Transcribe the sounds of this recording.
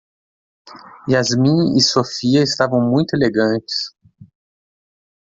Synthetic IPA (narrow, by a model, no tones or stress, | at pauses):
ɪɐzmĩɪsofiɐɪst̪avɐ̃w̃mũj̃t̪ʊeleɡɐ̃nt͡ʃɪ̥s